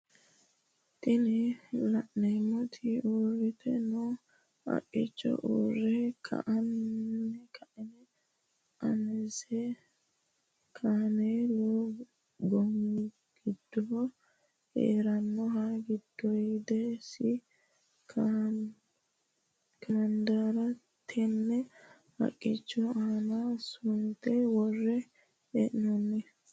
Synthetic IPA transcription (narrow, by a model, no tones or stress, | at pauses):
t̪ɪnɛlɐʔnɛmːɔt̪ʰɪorɪt̪ɛnɔ | ɐ̰ʔʼɪ̰t͡ʃːɔ̰ʔuːrɛkʰɐ̰ʔɐnːɛkʰɐʔɛnɛ | ʔɐnɛsɛ | kʰaːnelɔ | ɡɔŋ | ɡ̥ɪd̪̥ːɔɔ | hḛːɾɐnːɔɦaɡɪd̪̥ːɔjd̪ɛsɪ | kʰɐɐnd̪aːɾɐ | t̪ʰɛnːɛ | hɐ̰kʼːɪt͡ʃːɔaːnasʊnt̪ɛwɔrːɛ | ɛʔɪnɔnːɛ